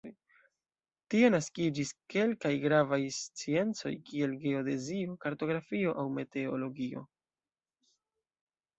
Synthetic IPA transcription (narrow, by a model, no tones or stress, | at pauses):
j | tie̞naskid͡ʒiske̞lkajɡɾavajst͡sie̞nt͡so̞̰jkie̞lɡe̞o̞de̞zio̞kaɾto̞ɡɾafio̞ʔawme̞te̞olo̞ɡio̞̰